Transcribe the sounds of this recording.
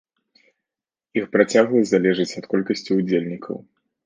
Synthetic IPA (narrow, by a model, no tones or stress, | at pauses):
ixpɾat͡sʲaɣlˠɨzalʲɛʐɨt͡sʲɐt̪kɔlʲkɐsʲt͡sʲiud͡zʲelʲnʲikʰɐ̰w